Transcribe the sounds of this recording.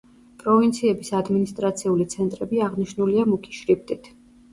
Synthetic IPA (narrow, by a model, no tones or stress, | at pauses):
pʼɾɔvint̪sʰiɛbisad̪minist̪ʼɾat̪sʰiulit̪sʰɛnt̪ʼɾɛbiaʁniʃnuliamukʰi̥ʃɾip̚ʰt̪ʼit̪ʰ